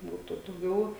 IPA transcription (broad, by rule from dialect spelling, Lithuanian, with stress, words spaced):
ˈbuːtʊ dɐʊˈɡʲɛʊ